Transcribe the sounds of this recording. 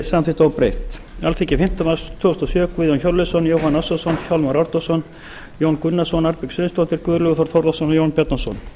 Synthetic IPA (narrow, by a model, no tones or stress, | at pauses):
saanθɪht̪awpɾejht̪ | a̰lθiːcɪfɪm̥t̪amast̪ʰvʏːʏst̪ɔsjœːkviːðjɔnçɔlɪsɔnjowɦhanːasasɔnçawlmaɾaɾt̪ɔsɔn | joːwnkʏnːasɔnaɾpɪksʏnst̪ɔht̪ɪɾ̥kʏðɾlʏɣʏθɔɾθʰɔɾlasɔnjownpʰɛt̪nasɔ̰n